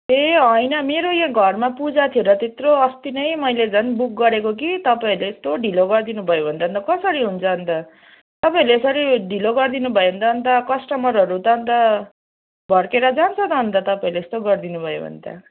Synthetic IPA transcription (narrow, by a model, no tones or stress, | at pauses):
eɦʌjnʌmeɾojãɡʱʌrmapud͡zat̪ʰioɾʌt̪et̪roʌst̪inʌjmʌjled͡zʱʌnbuk̚ɡʌɾekok̬it̪ʌpaĩleːst̪oɖʱiloɡʌrd̪inubʱʌjobʱʌnt̪aʌnt̪ʌkʌsʌɾiɦunt͡sʰʌːnt̪ʌ | t̪ʌpaĩleːsʌɾiɖʱiloɡʌrd̪inubʱʌjeɦʌnt̪ʌʌnt̪ʌkʌsʈʌmʌɾʌɾut̪ʌːnt̪ʌ | bʱʌɽkeɾʌd͡zant͡sʰʌt̪ʌnt̪ʌt̪ʌpaĩleest̪oɡʌrd̪inubʱʌjo̰bʱʌ̰nt̪ja̰